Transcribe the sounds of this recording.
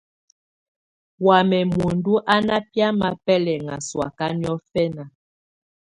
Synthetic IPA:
wa˨mɛ˨mo˨ndu˦ʔa˦na˦pja˦ma˨pɛ˦lɛ˨ŋa̰˨swa̰˨ka˦ni˦ɔ˦fɛ˦na˨

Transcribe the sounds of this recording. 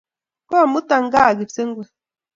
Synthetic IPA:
kɔ˦˨mu˦ta˦˨ŋ˦ɡa˦˨ɡi˨se˦ŋ˦ɡwe˨

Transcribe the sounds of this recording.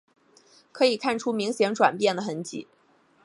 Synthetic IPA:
kʰɤ˧˥i˨˩kʰa˥˩nʈ͡ʂʰu˥mi˧˥ŋɕjɛ˧˥ŋʈ͡ʂwa̰˨˩npjɛ˥˩nd̪ə˩xə˧˥nt͡ɕḭ˨˩˦

